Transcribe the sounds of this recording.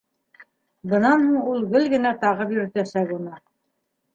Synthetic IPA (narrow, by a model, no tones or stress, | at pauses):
bɤ̆nɑnhuɴulˠɡɵlɡɘ̆næt̪ɑʁɤpjɵ̆ɾɘ̆t̪æsækunɤ